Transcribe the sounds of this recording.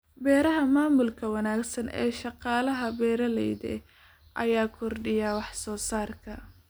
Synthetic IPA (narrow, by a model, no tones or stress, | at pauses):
bɛːɾɐɦɐmaːmʊlkʰɐwɑnaːɡsɐnɛ̰ːʃɑqɑːlɐɦɐbɛːɾɐlɛjðɛ̰ | ʔɐ̰jaːkʰɔrɖɪjawɑħsɔːsaːrkʰɐ